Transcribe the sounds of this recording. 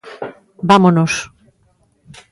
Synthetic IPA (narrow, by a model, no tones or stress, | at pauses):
bamonos